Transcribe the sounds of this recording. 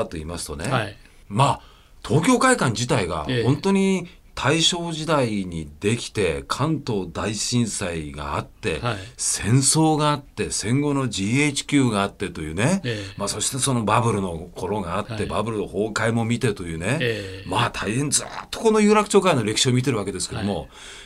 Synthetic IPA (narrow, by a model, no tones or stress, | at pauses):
t̪ːo̞ḭːmasɨ̥t̪o̞ne̞ | maː | t̪ʰo̞ːkʲo̞ːkaikãɲ̟d͡ʑit̪aiɡa̰hõ̞nt̪o̞ɲ̟i | t̪ʰaiɕo̞ːʑid̪aiɲ̟id̪e̞kʲi̥t̪e̞kʰãnt̪o̞ːd̪aiɕĩɰ̃saiɡa̰a̰t̪ːe̞̰sẽ̞ɰ̃so̞ːɡaːt̪ːe̞sẽ̞ŋɡo̞no̞ʑiet͡ɕi̥kʲɨːɡaːt̪ːe̞t̪o̞jɯ̟ːne̞maso̞ɕi̥t̪eso̞no̞babɯ̟ɾɯno̞kʰo̞ɾo̞ɡaːt̪ːe̞babɯ̟ɾɯnoho̞ːkaimo̞mʲit̪e̞t̪o̞jɯ̟ːne̞maːt̪ʰaihẽ̞nd͡zɨ̰t̪ːo̞̥ko̞no̞jɯ̟ːɾakɯ̟̥t͡ɕoːkaino̞ɾʲe̞kɯ̟̥ɕioːmʲit̪e̞ɾɯ̟βake̞d̪esɨ̥ked̪o̞mo̞̰